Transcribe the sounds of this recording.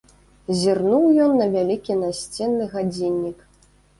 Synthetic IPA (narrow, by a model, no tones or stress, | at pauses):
zʲirnuwjɔnːɐvʲalʲikʲinasʲt͡sʲɛnːɨɣad͡zʲinʲːik